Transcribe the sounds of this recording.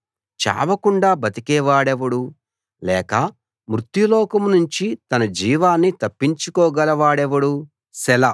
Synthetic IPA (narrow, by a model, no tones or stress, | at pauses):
t͡ʃa̰ːʋɐkuɳɖaːbʱɐt̪ikɛːʋaːɽeʋɐɽu | lɛːkɐ | mɾut̪julɔːkɐmnuɲt͡ʃit̪ɐnɐd͡ʒiːʋaːnːit̪ɐpːiɲt͡ʃukɔːɡɐlɐʋaːɽeʋɐɽu | sɛlɐ